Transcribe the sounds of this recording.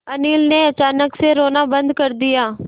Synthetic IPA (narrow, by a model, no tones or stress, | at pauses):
əniːlneːət͡ʃaːnəkseːɾoːnaːbənd̪kəɾd̪ɪjaː